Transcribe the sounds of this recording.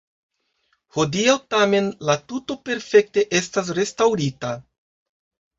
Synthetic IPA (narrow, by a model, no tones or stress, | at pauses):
ho̞diawtame̞nlatuto̞pe̞ɾfe̞k̚te̞ʔe̞stas̬ɾe̞stawɾita